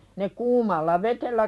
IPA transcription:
ne kuːmɑlːɑ ʋetelːæ

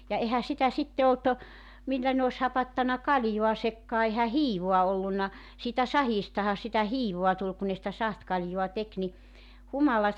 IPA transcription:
jɑ ehæ sitæ sitːe olt milːæ ne os hɑpɑtːɑnɑ kɑljuɑsekːɑː ehæ hiːʋoɑ olːunːɑ siːtæ sɑhiːstɑhɑ sitæ hiːʋoɑ tul ku ne sĭtæ sɑhtkɑljuɑ tek ni humɑlɑt

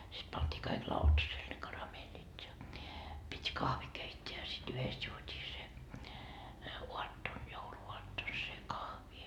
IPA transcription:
sit pɑntʲiː kɑik lɑutɑseːl ne kɑrɑmeːlit jɑ pitʲ kɑhʋi keitʲːeæ jɑ sit yhest juotʲiː se uɑtːon jouluuɑtːon se kɑhʋi

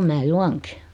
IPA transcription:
mæː juɑŋki

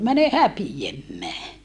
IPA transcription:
mæne hæpiemːæː

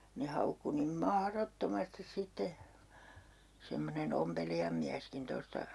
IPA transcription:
ne hɑukːu nim mɑhrotːomɑstis sitːe semːonen ompelijɑm miæskin tostɑ

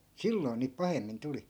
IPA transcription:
silːoi̯n̆ niːp pɑhemːin tuli

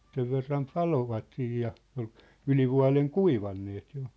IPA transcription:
seʋ ʋerːɑm pɑloʋɑt siːj jɑ ol ylʲiʋuɑ̝leŋ kuiʋɑnːeːt jo

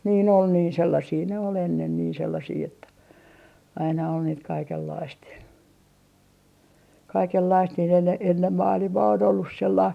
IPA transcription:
niːn ol niːn selːɑsiː ne ol enːen niː selːɑsiː etːæ ɑinɑ ol niːt kɑikelːɑist jɑ kɑikelːɑist niːn enːe enːem mɑːlimɑː on olːus selːɑist

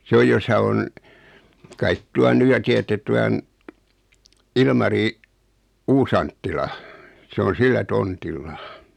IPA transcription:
s oj josɑ on kɑit tuɑn ny jɑ tiætːet tuɑn ilmɑri uːsɑntːilɑ se on silːæ tontilːɑ

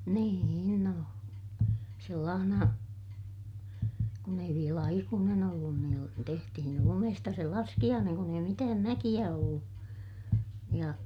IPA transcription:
niːin no selːɑːhnɑ kun ei ʋiel ɑikuːnen olːun niːl tehtihin lumestɑ se lɑskij̆ɑːneŋ kun ei mitæːm mækij̆æ olːu jɑ

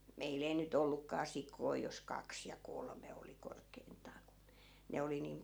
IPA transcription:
meil ei nyt olːukːɑː sikoi jos kɑks jɑ kolme oli korkeintˑɑː ku ne oli niːm

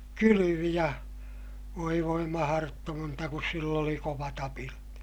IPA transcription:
kylyʋi jɑ ʋoi ʋoi mɑhɑrotːoːntɑ kus silː oli koʋɑt ɑpilɑt

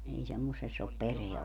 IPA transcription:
ei semːosesː op pereæ

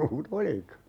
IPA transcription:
muːt olikɑ

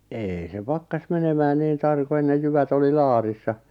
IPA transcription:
eːi se pɑkːɑs menemæːn niːn tɑrko enːej jyʋæt oli lɑːrisːɑ

